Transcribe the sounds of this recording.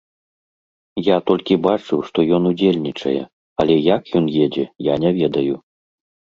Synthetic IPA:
jat̪ɔlʲkʲibat͡ʂɨwʂt̪ɔjɔnud͡zʲelʲnʲit͡ʂɐ̰jɛ̰ | ɐlʲɛjakjɔnjɛd͡zʲɛjanʲɛvʲɛd̪ɐju

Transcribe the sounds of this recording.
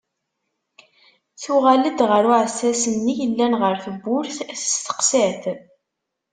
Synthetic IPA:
θʊʁæləd̪ʁəɾʊʕəsːæsənːijəlːænʁəɾθəbːʊɾθθə̥st̪ə̥qsæθ

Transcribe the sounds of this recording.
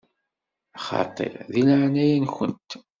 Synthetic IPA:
ɑχɑ̰t̪ˤːḛɾðinʕnæjinçənt̪

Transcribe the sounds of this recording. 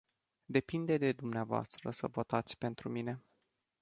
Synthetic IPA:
d̪e̞pind̪e̞d̪e̞d̪umneavoa̰st̪ɾəsə̰vo̞t̪at̪sʲpe̞nt̪ɾumine̞

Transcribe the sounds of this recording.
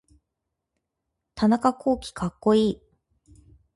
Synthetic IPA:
t̪ʰanakakʰo̞ːkʲi̥kʰakːo̞iː

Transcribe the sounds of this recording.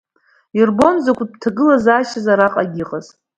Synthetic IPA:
irbo̞nzakʷʼtʰaɡɨlazaːʃazaɾaqʼaɡʲiqʼaz

